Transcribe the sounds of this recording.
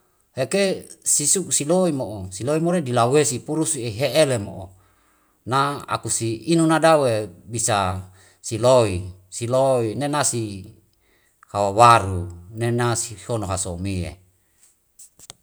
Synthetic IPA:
hekesisuk̚siloimoʔosiloimoɾedilawesipuɾusieɦeʔelemo̰ʔo | naa̰kusiinunadawebisa | siloisiloinenasi | hawawaɾunenasihonoɦasomiḛ

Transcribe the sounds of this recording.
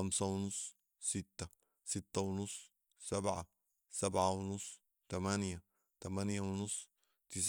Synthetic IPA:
amsawnʊsˤː | ɪt̪ːa | sɪt̪ːawnʊsˤː | sabʕa | sabʕawnʊsˤː | t̪amanja | t̪amanjawnʊsˤː | t̪ɪs̬

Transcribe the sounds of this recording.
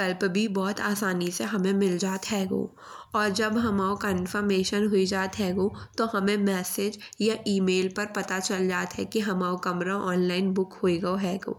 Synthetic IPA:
kɐlbbʱibɔːt̪aːsaːniseɦɐmẽmɪld͡ʒaːt̪ɦɛːɡo̰ː | ɔːɾd͡ʒɐbɦɐmaːokə̃ɪ̃nfəɾmeːʃənɦʊid͡ʒaːt̪ɦɛːɡoːt̪ohɐmẽmɛːsɪd͡ʒjaʔiːmeːlpɐɾpɐt̪at͡ʃɐld͡ʒaːt̪ɦɛ̰kiɦɐmaːokɐmɾaʔɔːnlaːɪnbʊkhoiɡɐoɦɛːɡo̰ː

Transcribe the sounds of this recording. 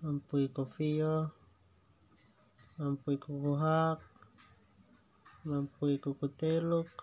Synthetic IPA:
mampuikɔfiɔ | mampuikukuɦak̚ | mampuikukut̪eluk̚

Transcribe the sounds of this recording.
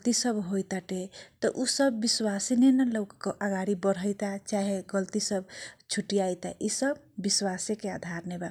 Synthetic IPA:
lt̪isəbɦojt̪aʈet̪ɔʔusəbːiswasenenelowkkʔaɡaɾibəɾɦəjt̪at͡ʃaɦeɡəlt̪isəbt͡ʃʰuʈijajt̪a̰ʔisəbːiswasekead̪ʱaɾneba

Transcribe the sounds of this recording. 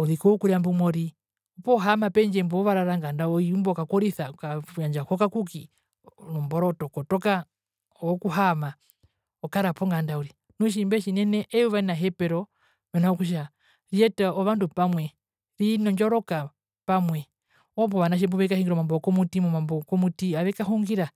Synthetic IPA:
ɔɾikɔukuɾiambumɔɾi | upɔɦamapɛɲd͡ʒɛmbɔɔβaɾaɾaŋɡandaɔiumbɔkakɔɾiθakaɲaɲd͡ʒakɔkakuki | nɔmbɔɾɔtɔkɔtɔka | ɔkuɦama | ɔkaɾapɔŋɡandauɾi | nuʃ̬imbɛʃinɛnɛʔɛuβanaɦɛpɛɾɔ | mɛnaɔkuʃ̬a | ɾiɛtaɔβandupamwɛ | ɾinɔɲd͡ʒɔɾɔka | pamwɛ | ɔpɔβanaʃ̬ɛmbɔβɛkahiŋɡiɾɔmambɔkɔmutimɔmambɔkɔmutiaβɛkaɦuŋɡiɾa

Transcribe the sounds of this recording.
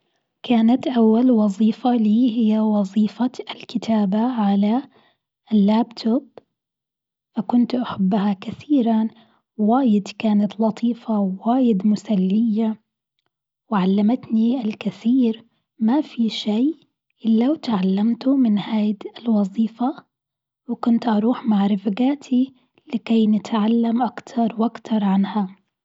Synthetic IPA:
kaːnat̪ʔawːalwɑzˤiːfaliːɦɪjːawɑzˤiːfaɪlkɪt̪ʰaːbaʕala | ʔlːaːbt̪ʰʊb̚ | fakʊnt̪ʔaħabːhakaθiːɾa | waːjɪd̪kaːnat̪lɑt̪ˤʰiːfawaːjɪd̪mʊsalːɪjːa | wɪʕalːamat̪niɪlkɪθiːɾ | mafiʃiː | ʔɪlːawt̪ʕalːamt̪ʊmɪnhaːjd̪ɪlwɑzˤiːfa | wɪkʊnt̪ʔɑɾˤuːħmaʕɾˤɪfɡaːt̪ʰi | lɪkejnɪt̪ʕalːamʔakt̪ʰɑɾˤwʔakt̪ʰɑɾˤʕanha

